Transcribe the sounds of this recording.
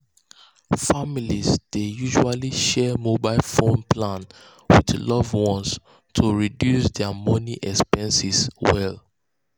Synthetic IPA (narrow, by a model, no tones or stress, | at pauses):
familizd̥ejuʒualiʃɛmobaɪlfõnpʰlãn | wiðlɔvwɔ̃ns | tʰuɹidjusdɛmɔniʔɛkspɛ̃nsiswɛl